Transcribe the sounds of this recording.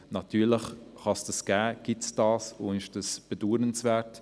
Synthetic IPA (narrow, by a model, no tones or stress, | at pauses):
nɑtyːɾləχ | χɑsd̥ɑsɡ̥æːɡ̥ɪtsd̥ɑːsʊɪʃd̥ɑsb̥eduːdənsvɛːt